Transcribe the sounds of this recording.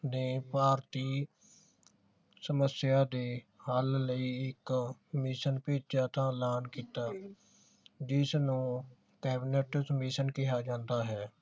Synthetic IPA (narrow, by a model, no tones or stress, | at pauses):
neːpaːɾt̪iː | səməsjaːd̪eːhaːlləiɪkmɪʃənpeːt͡ʃd͡ʒaːt̪ãːlaːnkiːt̪aː | d͡ʒɪsnũː | kɛːbɪneːʈəsmɪʃənkɪɦaːd͡ʒãːnd̪aːɦɛː